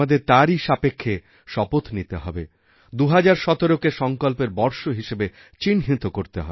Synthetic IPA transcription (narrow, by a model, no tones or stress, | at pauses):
ad̪eɾt̪aɾiʃapekʰːe | ʃɔpot̪nit̪eɦɔbe | d̪uɦad͡ʑaɾʃɔt̪oɾokeʃɔŋkolpeɾbɔɾʃoɦiʃebe | t͡ɕinɦit̪okoɾt̪eɦɔ̰e